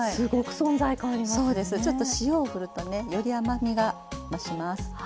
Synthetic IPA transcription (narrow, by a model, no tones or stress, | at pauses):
sɨɡokɯ̟̥sõ̞nzaikaːɾʲimaso̞ːd̪e̞sɨt͡ɕo̞t̪ːo̞ɕijo̞ːɸɯ̟ɾɯ̟t̪o̞ne̞jo̞ɾʲiamamʲiɡa | maɕimasɨ̥